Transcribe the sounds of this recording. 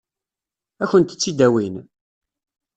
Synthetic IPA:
æçənt̪ə̥t͡sːid̪æwin

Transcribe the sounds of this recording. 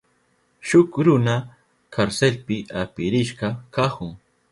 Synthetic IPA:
ʃʊkɾʊna | kʰaɾselpɪapɪɾɪʃɢɑkahʊŋ

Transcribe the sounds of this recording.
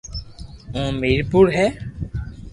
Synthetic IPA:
ũmiɾpuɾɦɛ

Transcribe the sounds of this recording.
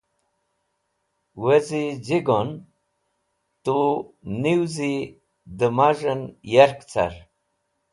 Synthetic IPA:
wəzid͡ʑiɡon | t̪uniwzi | d̪əmaʐənjaɾkt͡sa̰ɾ

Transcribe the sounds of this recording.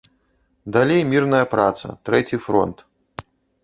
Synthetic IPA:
d̪alʲejmʲirnɐjɐpɾat̪sɐ̰t̪ɾɛt͡sʲifɾɔ̰nt̪

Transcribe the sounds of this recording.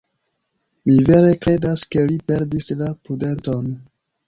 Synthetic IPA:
mive̞ɾe̞kɾe̞daske̞lipe̞ɾdislapɾude̞nto̞n

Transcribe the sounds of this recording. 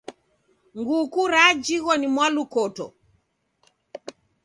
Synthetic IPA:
ŋɡukuɾad͡ʒiɣɔnimwalukɔtɔ̰

